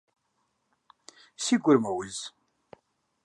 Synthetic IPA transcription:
siɡʷəɾmæwəz

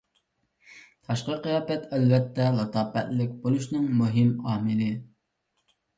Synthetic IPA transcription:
t̪ʰɑʃqəqijɑːpɛt̪ɛlvɛt̪ʰːɛlˠɑt̪ʰɑːpɛt̪lɪkʲbolˠuʃnɨŋmuɦɪmɑːmɨlɪ

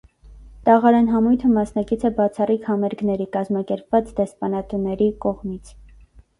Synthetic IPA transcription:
t̪ɑʁɑɾɛnɦɑmujt̪ʰəmɑsnɑkit͡sʰɛbɑt͡sʰɑrikʰhɑmɛɾɡnɛɾikɑzmɑkɛɾpvɑt͡sd̪ɛspɑnɑt̪unɛɾikɔʁmit͡sʰ

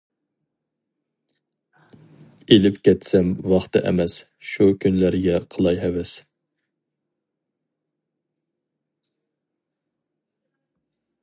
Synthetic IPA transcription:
elɪpkʲʰɛt̪sɛmwɑχt̪ɨʔɛ̰mɛs | ʃukʲʰynlæɾɡʲɛqʰəlˠɑjɦɛwɛs

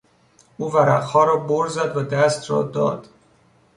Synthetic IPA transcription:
uːvæɾæqhɒːɾɒːboɾzæd̪væd̪æst̪rɒ̰ːd̪ɒ̰ːd̪̥

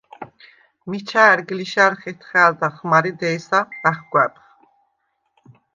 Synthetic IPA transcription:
mit͡ʃʰaːɾɡliʃaɾχɛt̪ʰχɛːld̪aχmaɾid̪ɛːsaɾæχɡwɛpχ

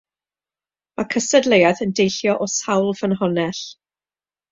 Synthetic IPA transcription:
makʰəsɛdlˠejaθəndejɬjɔʔɔsawlˠv̥ənɦɔnɛɬ

